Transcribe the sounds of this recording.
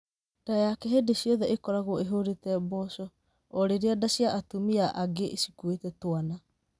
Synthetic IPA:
d̥ajakɛɦedesiɔðɛʔekɔɾaɣoɔeɦoɾetɛbɔsɔ | oɾeɾeadasiaʔatumiaʔaɡeʔesi̥kuetɛtoana

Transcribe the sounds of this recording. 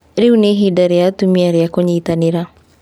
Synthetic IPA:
ɾeuneɦidaɾeatumiaɾeakoɲiːtaneɾa

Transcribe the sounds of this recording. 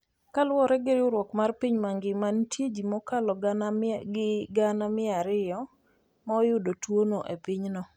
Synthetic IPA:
kalwɔɾɛɡɪɾɪʊɾwɔkmarpiɲmaŋɡɪmantjed͡ʒimɔkalɔɡɪɡanamɪaɾɪjɔ | maɔjʊdotwonoʔepiɲnɔ

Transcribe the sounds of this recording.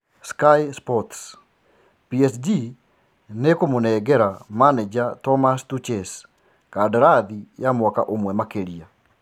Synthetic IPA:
skajspɔts | piɛsd͡ʒi | nekomonɛɡɛɾamanɛd͡ʒatɔmastut͡ʃɛs | kadɾaðijamwɔka̰ʔomwɛmakeɾia

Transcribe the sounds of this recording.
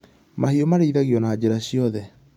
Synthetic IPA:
mahiomaɾeiðaɣijɔnaːd͡ʑeɾaɕiɔðɛ

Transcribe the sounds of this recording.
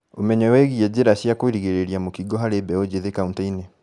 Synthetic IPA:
omɛɲɛwɛɣiɛd͡ʑeɾaɕjakoiɾiɣeɾeɾiamokiɡɔɦaɾebɛod͡ʑeðekauntaine

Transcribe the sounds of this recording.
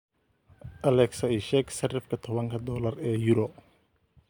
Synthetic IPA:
ʔɐlɛksɐiʃɛɡsɐrɪfkʰɐt̪ʰɔβɐŋkʰɐd̪ɔːlɐrɛːjuɾɔ

